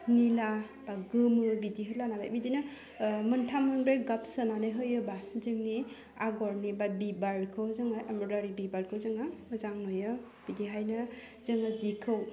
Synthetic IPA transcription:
nila | b̥aɡɯmɯbidiɦɯlanala̰jbidina | mɯntʰamːɯnbɾeɡap̚sɯnanɯɦɯjɯbazɯŋni | aɡɔɾnibabibaɾkʰɯwzɯŋaʔamɾɔɾaɾibibaɾkʰɯwzɯŋamɯzaŋmɯjɯ | b̥idiɦajnɯ | zɯŋazikʰɯw

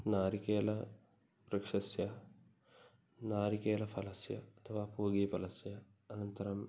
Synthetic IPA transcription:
naːɾikeːlɐ | prɐkʂɐsjɐ | naːɾikeːlɐfʰɐlɐsjɐ̰ɐt̪ʰɐʋaːpuːɡiːpɐlɐsjɐː | nɐnt̪ɐɾɐm

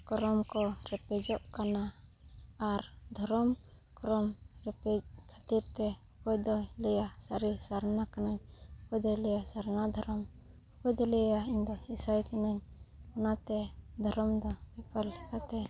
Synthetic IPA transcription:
kɔɾɔmkɔɾɛpɛd͡ʒɔʔkanaː | ɾd̪ʱɔɾɔm | kɔɾɔmɾɛpɛd͡ʒ̚kʰat̪iɾt̪ɛɔpɔjd̪ɔjlɛjasaɾisaɾnakanaɲɔpɔjd̪ɔjlɛjasaɾnad̪ʱɔɾɔm | ɔpɔjd̪ɔlɛjjaiɲd̪ɔhisajkɛnaɲɔnat̪ɛd̪ʱɔɾɔmd̪ɔbipalɛkat̪ɛ

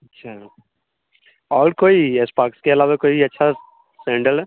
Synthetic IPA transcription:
ɐtːʃʰaː | ɔːɾkoːiespaːkskeɐlaːʋakoːiɐtːʃʰa | sɛ̃ːɳɖəlɛ

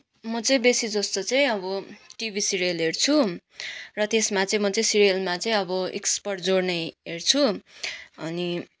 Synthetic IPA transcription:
mʌt͡sʌĩbesid͡zʌst̪ot͡sʌĩʌbʌʈibʱisirelɦert͡sʰu | rʌt̪esmat͡sʌĩmʌt͡sʌĩsirijelmat͡sʌĩʌbʌḭkspʌrʈd͡zoɽnʌjɦert͡sʰu | ʌni

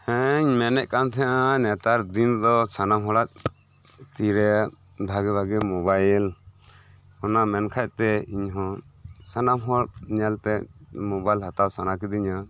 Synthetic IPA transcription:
ɛɲmɛnɛʔkant̪ʰɛaʔanɛt̪aɾd̪ind̪ɔsanamɦɔɽat̪̚ | t̪iɾɛ | b̪ʱaɡɛbʱaɡɛmɔbajl | ɔnamɛnkʰaj̚t̪ɛiɲɦɔ̃ | sanamɦɔɽɲɛlt̪ɛ | mɔbajlɦat̪awsanak̬id̪iɲa

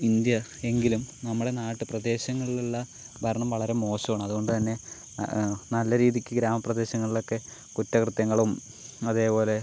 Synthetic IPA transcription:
ind̪jɐe̞ŋɡilumnɐmːuɽe̞naːʈːɨprɐd̪e̞ːɕɐŋːɐɭilelːɐ | bʱɐɾɐɳɐmʋɐɭɐɾe̞mo̞ːɕɐʋaːɳɐmɐðuɣo̞ɳɖɨt̪ɐnːe̞ | nɐlːɐɾiːðikʲːɨɡɾaːmɐprɐd̪e̞ːɕɐŋːɐɭilo̞kːe̞ | kutːɐkrɨt̪jɐŋːɐɭum | ɐðe̞ːpo̞ːle̞

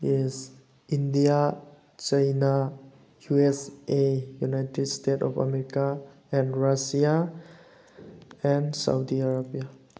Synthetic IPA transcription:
iz | india | t͡ʃajna | juesejunajtedstetɔ̰pʰa̰meɾika | ɛ̃nɾasia | ɛnsa̰wdiaɾabia

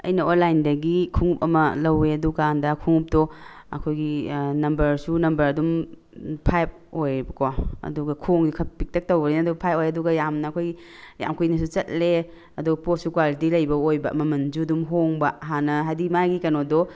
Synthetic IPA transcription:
ɐ̰jnɐonlajndɐɡikʰuŋup̚ɐmɐlɐweɐduɡandɐkʰuŋup̚dɔ | ɐ̰kʰojɡinɐmbɐɾsunɐmbɐɾɐdum | pʰajp̚ojbɐkwaɐ̰duɡɐkʰoŋdikʰɐp̚pik̚tɐk̚towɐlenɐduɐpʰajpojɐduɡɐjamnɐːkʰojɡi | ja̰mkʰujnɐs̬ut͡ʃɐt̚le | ɐduɡɐposukwalitilɐjbɐojbɐmɐmɐnd͡ʒudumɦoŋbɐɦanːɐɦajdimajɡikɐnodɔ

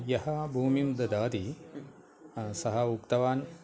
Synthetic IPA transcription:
jɐhɐbʱuːmimd̪ɐd̪aːt̪i | sɐɦɐukt̪ɐʋaːn

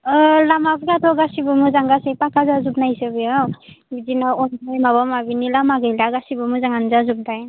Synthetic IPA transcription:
lamapʰkatʰɔɡasibɯmɯzaŋɡasejpakʰazazup̚najsɯbijawbizinaɔnɔjmaβamabinilamaɡɯjlaɡasibɯmuzaŋanzazup̚daj

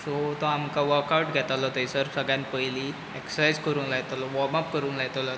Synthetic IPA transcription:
sot̪ɔamkaʋəɾkawʈɡʱɛt̪alɔt̪əisəɾsəɡjãnpəjli | eksajd͡zkəɾuːnlajt̪alɔʋɔmapkəɾuːnlat̪alɔ

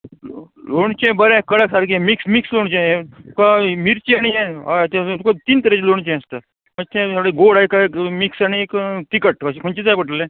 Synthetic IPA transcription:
loɳt͡ɕẽbəɾẽkəɽəksaɾkiemiksmiksloɳt͡ɕiẽukamiɾt͡ɕiaɽ̃ijɛat̪ẽt̪ukat̪iːnt̪əɾet͡ɕiloɳ̃t͡ɕẽəst̪ə | məd͡ʑt̪ʰẽsaɽeɡoɽaikamiksaɽ̃iekt̪ikəʈəskʰoɳt͡ɕit͡sajpəʈəlːẽ

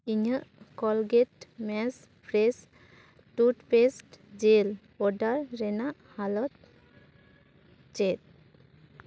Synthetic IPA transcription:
iɲəʔkɔlɡetmɛs | pʰɾes | tutpestd͡ʒelbɔdaɾːɛnaʔhalɔt̪ | t͡ʃet̚

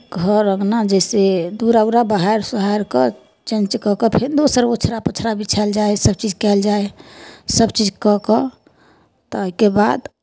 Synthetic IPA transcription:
ɡʱəɾəɡnad͡ʒɛsed̪uɾaʊɾabaɦeɾsuɦaɾkə | t͡ʃə̃nt͡ʃkɔkəpʰeɾd̪osəɾbot͡ʃʰɾapət͡ʃʰɾabit͡ʃʰɛld͡ʒaesəb̚t͡ʃid͡ʒkɛld͡ʒaesəbt͡ʃid͡ʒkɔkɔ | t̪ɔəɦikeba̰d̪

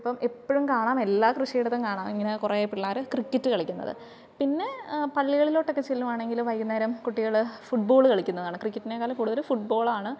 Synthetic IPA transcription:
ɐpːɐmepːoɻumkaːɳaːme̞lːaːkrɨʂijɽɐt̪ːemkaːɳaːmiŋːɐnekureːpːiɭːaːɾɨkrikʲːɐtːɨkɐɭikʲːunːɐ̰ðɨ̰ | pinːe̞pɐɭːiɣɐɭilo̞ːʈːokːet͡ɕelːumaːɳe̞ŋɡiluʋɐjkːunːɐɾɐmkuʈːiɣɐɭfuʈ̚bo̞ːɭɨkɐɭikʲːunːɐðaːɳɨkrikʲːɐtːinekːaːlɐmkuːɽuðɐlfuʈ̚bo̞ːɭaːɳɨ

